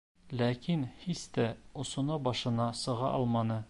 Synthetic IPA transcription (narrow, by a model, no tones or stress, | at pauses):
lækinhist̪æŏsŏnɤbɒʃɤ̆nɑsɤ̆ʁɑ̰ʔɒlˠmɑnɤ